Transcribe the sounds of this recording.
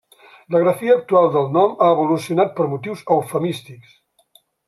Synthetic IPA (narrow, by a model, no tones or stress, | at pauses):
ləɣɾəfiəːk̚t̪ualˠd̪əlˠnɔmaəβulusiunat̪̚pəɾmut̪iwzəwfəmist̪iks